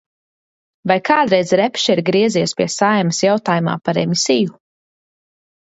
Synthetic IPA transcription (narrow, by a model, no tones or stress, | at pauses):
vajkʰaːd̪ɾɛjd̪zɾɛpʲʃɛɾɡɾiɛziɛspʲiɛsajmɨsjawt̪aːjuma̰ːpaɾɛ̰misiju